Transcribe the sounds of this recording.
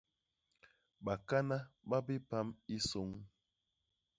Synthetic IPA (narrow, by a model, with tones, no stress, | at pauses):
ɓa˨ka˦na˦ɓa˦bi˦pa˦mi˦so˨˦ŋ